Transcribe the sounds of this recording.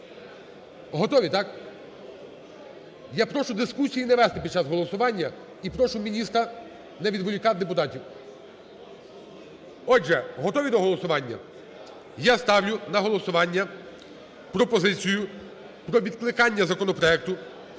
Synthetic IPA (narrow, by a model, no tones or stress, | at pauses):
ɦɔt̪ɔʋʲit̪ɑk | japɾɔʃʊd̪ɪskusʲijinɛʋɛst̪ɪpʲid̪̚t͡ʃazɦɔlˠɔsʊʋɑnʲːɐ | ipɾɔʃʊmʲinʲist̪ɾɐ | nɛʋʲid̪ʋɔlʲikɑd̪epʊt̪ɑtʲiw | ɔdʒɛɦɔt̪ɔʋʲid̪ɔɦɔlˠɔsʊʋɑnʲːɐ̰ | jast̪ɑwlʲʊnɐɦɔlˠɔsʊʋɑnʲːɐ | pɾɔpɔzɪt͡sʲijʊ | pɾɔʋʲid̪̚klˠɪkɑnʲːɐzɐkɔnɔpɾɔɛk̚t̪ʊ